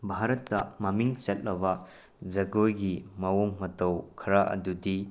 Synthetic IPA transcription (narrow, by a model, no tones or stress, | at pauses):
bʱaɾɐtːɐmɐmiŋt͡ʃɐt̚lɐβɐ | d͡ʒɐɡojɡimɐwoŋmɐtɐwkʰɐɾaʔɐ̰dudi